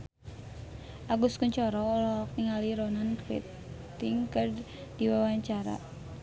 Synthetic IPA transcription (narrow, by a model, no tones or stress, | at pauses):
ʔaɡuskuɲt͡ʃɔɾɔlɔɔk̚niŋaliɾɔnankɾḛt̪ | iŋkər | d̥iwawaɲt͡ʃaɾa̰